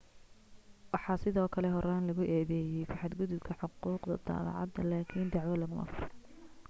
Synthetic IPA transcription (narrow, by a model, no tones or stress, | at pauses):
wɑħɑːsɪðɔːkʰɐlɛɦɔɾaːnlɐɣʊʔɛːðɛːjɛjfɑħɑd̪ɡʊðʊbkʰɐħʊquːqd̪ɐ̰d̪ɑ̰ːl̰ʕɑ̰d̪ɐlaːkʰiːnd̪ɑʕwɐlɐmɐmɐ̰fʊɾɔ